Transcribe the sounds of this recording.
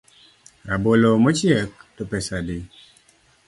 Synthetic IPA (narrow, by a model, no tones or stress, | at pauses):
ɾabolomɔt͡ʃjɛk̚tɔpɛsadi